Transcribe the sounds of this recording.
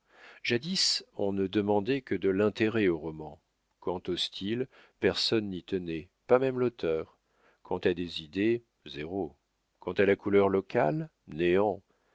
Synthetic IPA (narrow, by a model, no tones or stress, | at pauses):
ʒ̥ad̪isɔ̃nəd̪əmɑ̃d̪ɛkəd̪əlɛ̃t̪eʁɛoʁɔmɑ̃ | kɑ̃t̪ost̪ʰil | pɛʁsɔnːit̪ənɛ | pamɛmlot̪ʰœʁ | kʰɑ̃t̪ad̪ezid̪e | zeʁo | kɑ̃t̪alakulœʁlɔkʲal | neɑ̃